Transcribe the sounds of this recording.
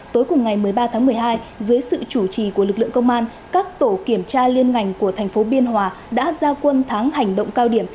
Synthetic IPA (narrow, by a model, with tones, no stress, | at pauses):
t̪o˨˦jkʊ˨˩ŋ͡mŋa˨˩jmɨ˨˩əjɓaː˧t̪ʰaː˨˦ŋmɨ˨˩əjɦaː˧jzɨː˨˦jsɨ̰˧˨t͡ɕu˧˩t͡ɕi˨˩ku˧˩əlɨ˨˩k̚lɨ̰˧˨əŋkə˧wŋ͡mʔaː˧n | kaː˦˥k̚t̪o˧˩ki˧˩əmt͡ɕaː˧li˧ənŋa˨˧˩jŋ̟ku˧˩ət̪ʰjŋ̟fo˨˦ɓi˧ənɦwaː˨˩ | ɗa̰ː˧˥zaː˧kwə˧nt̪ʰaː˨˦ŋha˨˩jŋ̟ɗo̰˧˨wŋ͡mkaː˧wɗi˧˩əm